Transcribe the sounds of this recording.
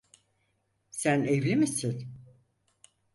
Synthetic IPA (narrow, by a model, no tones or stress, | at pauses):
sænevlʲimisin